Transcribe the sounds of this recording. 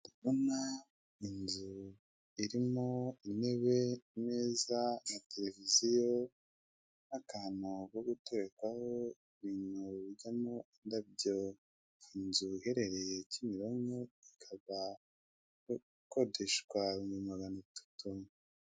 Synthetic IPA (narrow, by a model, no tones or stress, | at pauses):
iβuna | inzu | iɾimoine̞βe̞meːzanate̞le̞vizijo | nakaːnukoɡutoβekwahoiβiːnuβiɟamoindab̚ɟo | inzuihe̞ɾe̞ɾe̞jecimiɾoŋɡoikʰaβa | ko̞deʃkwaɾumumaɡanatʰḁtu